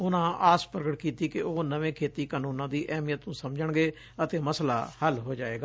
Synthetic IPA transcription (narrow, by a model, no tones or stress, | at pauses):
ʊnãːʔaːspɾəɡəʈkiːt̪iːkɪoːnəʋẽːkʰeːt̪iːkaːnũːnãːd̪iːʔɛːmijət̪nũːsəmd͡ʒəɳɡeː | ət̪eːməsla̰ːhəlɦoːd͡ʒaːeːɡaː